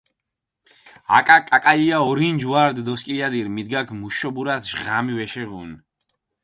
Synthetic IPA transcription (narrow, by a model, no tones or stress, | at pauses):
a̰kʼakʼakʼaliaɔɾind͡ʒwaɾd̪d̪ɔskʼiad̪iɾmid̪ɡakʰmuʃɔbuɾat̪ʰʒʁamivɛʃɛʁṵn